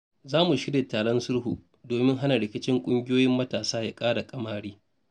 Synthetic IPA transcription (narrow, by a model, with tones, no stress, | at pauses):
zaː˦mu˨ʃɪ˦ɽje˨taː˨ɽɔ˦nsʊ˦ɽɦṵ˨ | doː˨mɪ˦ŋɦa˦na˨ɽɪ˨kʲɪ˦t͡ʃɪ˦ŋkʷʼʊ˦ŋɡʲɪ˦joː˦jɪ˦mːɐ˦taː˨saː˦ja˦kʼaː˦ɽa˨kʼɐ˦maː˦ɽiː˦